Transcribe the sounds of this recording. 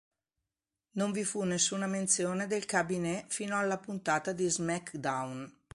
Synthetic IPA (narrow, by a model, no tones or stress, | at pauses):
noɱvifunːesːuːnament̪sjoːned̪elkabinɛfiːnoalːapunt̪aːt̪ad̪izmɛkd̪awn